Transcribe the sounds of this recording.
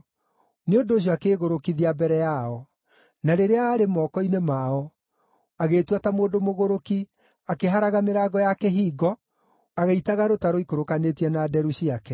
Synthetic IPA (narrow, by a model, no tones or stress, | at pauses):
neondoːɕ̬ɔakeːɣoɾokiðiabɛɾɛjaɔ | naɾeɾeaːɾemɔːkɔinemaɔ | aɣeːtwatamoːndomoɣoɾoki | akeɦaɾaɣameɾaːɡɔjakɛɦiːɡɔ | aɣɛitaɣaɾotaɾoikoɾokanetiɛnaːdɛɾuɕiakɛ